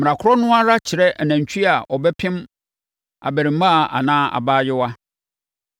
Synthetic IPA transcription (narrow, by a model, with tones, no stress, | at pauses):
m̩ɪ̃˨ã˨kʰʊ˦ɾɔ˦nʊ̃˦a˦ɾa˦t͡ɕʰɪ˨ɾɛ˦ʔæ˨næ̃˨ɲ˨t͡ɕʰᶣi˦a˨ʔɔ˨bɛ˦pʰɪ̃˦m | a̰˨bæ˨ɾĩ˨m˦mã˦˨a̰˨nãː˦a̰˨baː˦jɪ˦wa˦